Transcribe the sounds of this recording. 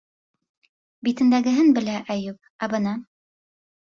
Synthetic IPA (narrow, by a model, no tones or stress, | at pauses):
bit̪ɘ̆nd̪æɡɘ̆ɦɘnbɘ̆læʔæjup̚ | æbɤ̆nɑ